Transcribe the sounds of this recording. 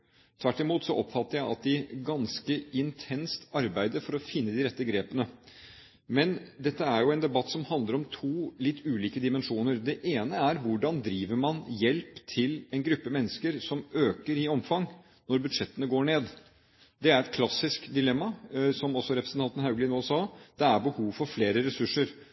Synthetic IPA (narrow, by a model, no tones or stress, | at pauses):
t̪ʰʋæʈːɪmuːt̪sɔʔɔpːfɑt̪ːəɾjæɪɑ̰t̪̚d̪ɪɡɑnskəɪnt̪ʰɛnst̪ɑɾbæɪd̪əɾfɔɾɔfɪnːəd̪ɪɾɛt̪ːəɡɾeːpənə | mɛnd̪ɛt̪ːəæɾjʊɛnd̪ɛbɑt̪ːsɔmhɑnd̪əɾɔmt̪ʰuːlɪt̪ːʉːliːkəd̪ɪmɛnʂuːnəɾd̪ɛʔeːnəæɾʋʊɖɑnd̪ɾiːʋəɾmɑnjɛlpt̪ʰɪlɛnɡɾʉpːmɛnːəskəɾsɔmøːkəɾɪɔmfɑŋː | nɔɾbʉd̪ʂɛt̪ːənəɡoːɳeːd̪ | d̪ɛæɾɛt̪̚kʰlɑsːɪskd̪ɪlɛmːɑsɔmɔsːɔɾɛpɾəsn̩ʰɑnt̪ən̩ɦɑʉɡlɪnoːsɑːd̪̥ɛæɾbəhuːʋfɔɾfleːɾəɾɛsʉʂːəɾ